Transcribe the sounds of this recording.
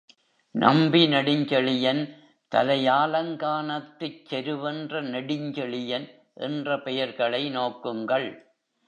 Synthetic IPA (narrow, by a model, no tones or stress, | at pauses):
nʔɐ̰mbinɐɽɪɲd͡ʒɐɭɪjɐn | t̪ɐ̰lɐjaːlɐŋɡaːnɐt̪ːɯt͡ʃːɛɾɯʋɛndrɐnɐɽɪɲd͡ʒɐɭɪjɐn | ʔɛ̰ndrɐpɛjɐɾɣɐɭɐɪnoːkːɯŋɡɐɭ